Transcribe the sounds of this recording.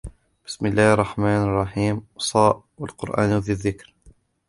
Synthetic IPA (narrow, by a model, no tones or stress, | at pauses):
b̥ɪ̥smɪlːaːhɑrˤːɑħmaːnɑrˤːɑħiːmwsˤɑːʔ | walqʊɾʔa̰ːnðɪðːɪkɾ